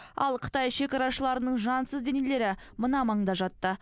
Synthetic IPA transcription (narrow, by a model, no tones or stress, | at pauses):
ɑ̰lˠqʰə̥t̪ɑjʃe̞kʲɑɾɑʃəlˠɑɾənəɴʒɑnsəzd̪e̞nele̞ɾɪmənɑmɑɴd̪ɑʒɑt̪ːə